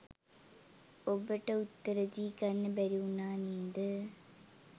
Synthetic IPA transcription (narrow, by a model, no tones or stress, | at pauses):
obːɐʈːɐut̪ːɐɾɐd̪ikɐnːɨbɐɾunːaːniːd̪ɨ